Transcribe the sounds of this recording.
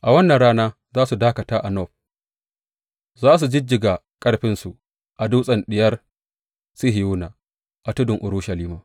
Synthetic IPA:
ʔa˨wɐ˦nːɐ˨nɽaː˦naː˦ | zaː˦su˨daː˦kɐ˨taː˦ʔa˨nɔ˦˨ɸ̚ | zaː˦s̬u˨d͡ʒɪ˦d͡ʒɪ˨ɡa˨ | kʼɐ˦ɽɸɪ˦nsu˨ | ʔa˨duː˦sʼɐ˨nɗɪ˨jɐ˦r | si˦ɦɪ˨juː˦na˨ | ʔa˨tʊ˦dʊ˨ŋʔʊ˨ɾu˦ʃa˨liː˦maː˨

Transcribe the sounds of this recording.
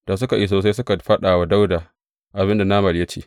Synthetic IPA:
d̥aː˨s̬ʊ˦ka˨ʔi˦s̬oː˨sa˦js̬ʊ˦ka˨ɸɐ˦ɗaː˨wa˦da˦wda˨ | ʔa˨bɪ˦nda˨naː˦mɐ˨ljɐ˦t͡ʃḛː˦˨

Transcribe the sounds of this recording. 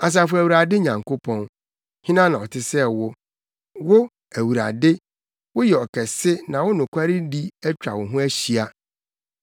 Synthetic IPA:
a˨s̬a˨fʊ˦æ˨wu˨ɾa˨dɪ˦ɲã˨ŋko˦pʰɔ̃˦n | hĩ˦nã˦nã˨ɔ˨tʰɪ˦sɛ˦wʊ˦ | wʊ˦ | æ˨wu˨ɾa̰˨dɪ˦ | wʊ˦jɛ˨ɔ˨kʰɛ˨sɪ˦nã˨wʊ˦nʊ̃˨kʷʰa˦ɾi˦di˦ɛ˦t͡ɕᶣa̰˨wʊ̃˨ɦʊ̃˦æ˦ɕi˨a˦

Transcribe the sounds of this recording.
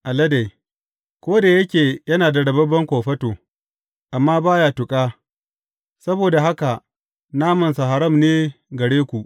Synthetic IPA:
ʔa˨lɐ˦da˨j | kʷoː˦da˨jɐ˦kʲeː˨jɐ˦naː˨da˨ɽɐ˨bɐ˦bɐ˦ŋkʷoː˨ɸɐ˦toː˨ | ʔa˨mːaː˦baː˦ja˨tʊ˨kʼaː˦ | sɐ˦boː˨da˨ɦa˦ka˨ʔ | naː˦mɐ˨nsa˨ɦa˨ɾɐ˦˨mneː˦ɡɐ˨ɽeː˦kʷu˨ʔ

